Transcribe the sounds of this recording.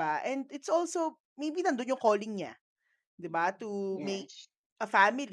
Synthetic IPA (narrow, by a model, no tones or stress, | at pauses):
aʔɛ̃nd̪ɪt̪sʔolso | mejbinɐnd̪onjʊŋkoːlɪŋɲa̰ | d̪ɪbat̪umek̚ | ʔɐfamɪl